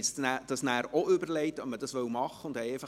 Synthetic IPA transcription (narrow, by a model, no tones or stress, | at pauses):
stnæd̥ɑsnæːɾoʏbəɾlɛɪtɑmədɑsʋœwmɑχːəʊndɛɪfə